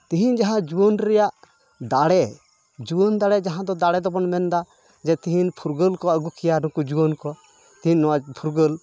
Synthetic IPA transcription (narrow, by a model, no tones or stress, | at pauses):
t̪ĩɦind͡ʒaɦãd͡ʒuwənɾɛjaʔ | d̪aɽɛ | d͡ʒuənd̪aɽɛd͡ʒaɦãd̪ɔd̪aɽɛd̪ɔbɔnmɛnd̪a | d͡ʒɛt̪iɦinpʰuɾɡəlkɔəɡukʰijanũkud͡ʒuwonkɔ | t̪iɦinːɔwapʰuɾɡəl